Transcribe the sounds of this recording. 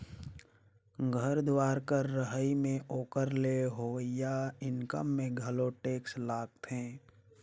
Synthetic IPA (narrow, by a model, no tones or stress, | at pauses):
ɡʱəɾd̪waːɾkəɾːəɦəimẽʔoːkəɾleɦoəjaɪnkə̰mːẽɡʱɐloʈeːkslaːɡ̚t̪ɦẽː